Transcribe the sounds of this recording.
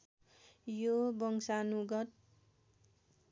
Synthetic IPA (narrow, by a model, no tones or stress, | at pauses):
jobʌŋsanuɡʌt̪̚